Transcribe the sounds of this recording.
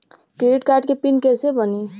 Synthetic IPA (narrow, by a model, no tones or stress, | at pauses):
kɾeɖiʈkaɾʈkepinkesebʌni